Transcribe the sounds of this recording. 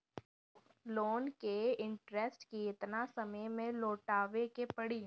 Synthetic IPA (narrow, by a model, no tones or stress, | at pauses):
loːnkeɪ̃ɳʈɾesʈkiɪt̪nasɐməjmẽloːʈaːʋekepɐɽiː